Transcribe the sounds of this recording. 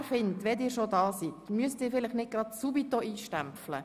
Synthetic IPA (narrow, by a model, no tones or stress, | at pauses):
fɪntʋɛdɪːɾʃodɑːsit̪myəstɪːɾfɪlɪχnɪt̚ɡ̥ɾɑtsubitoiːʃtæmpflə̰